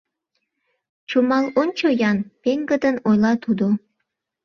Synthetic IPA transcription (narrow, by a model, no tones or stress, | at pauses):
t͡ʃumɑlonʲt͡ɕojɑnpeŋɡəd̪ənojlɑt̪ud̪o